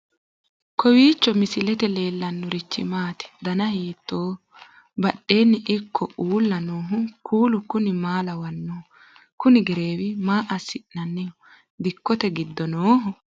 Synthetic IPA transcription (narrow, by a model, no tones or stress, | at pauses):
kɔwiːt͡ʃːɔmɪsɪlɛt̪ɛle̞ːlːɐnːʊɾɪt͡ʃːɪ̰maːt̪ɪ̥d̪ɐnɐheːt̪ːoː | bɐɗe̞ːnːɪʔɪkʰːɔʔuːlːɐnoːɦʊkʰuːlʊkʊnɪmaːlɐwɐnːoː | kʊnɪɡɛɾe̞ːwɪmaːʔɐsɪʔnɐnːɛ | d̪ɪkːɔt̪ɛɡɪd̪ːɔnoːɦʊ